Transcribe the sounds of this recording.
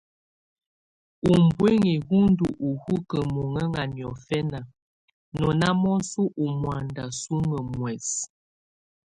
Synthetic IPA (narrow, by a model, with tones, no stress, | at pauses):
u˨mbwe˦ŋi˨hu˦n˦du˨ʔu˨hu˦kə˨mo˨ŋə˦ŋa˨njɔ˨fɛ˦na˨ | nɔ˨na˦mɔ˦n˦su˦ʔu˨mwa˨nda˨su˦ŋə˨mwɛ˨s